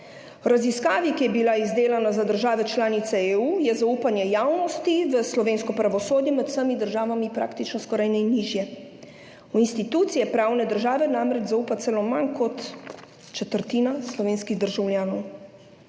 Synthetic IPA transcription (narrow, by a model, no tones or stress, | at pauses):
ɔɾaziskaːʋikijɛbilaizd̪eːlanazad̪əɾʒaːʋɛt͡ʃlaːnit̪sɛeuːjɛzauːpanjɛjaːwnɔst̪iʋəslɔʋeːnskɔpɾaʋɔsoːd̪jɛmɛt̪w̥səmid̪əɾʒaːʋamipɾa̰ːkt̪it͡ʃnɔskɔɾajnɛinːiːʒjɛ | uinst̪it̪uːt̪sijɛpɾaːwnɛd̪əɾʒaːʋɛnamɾɛd͡ʒzauːpat̪sɛlomankɔt̪ | t͡ʃɛt̪əɾt̪iːnaslɔʋeːnskiɣd̪əɾʒawljaːnɔw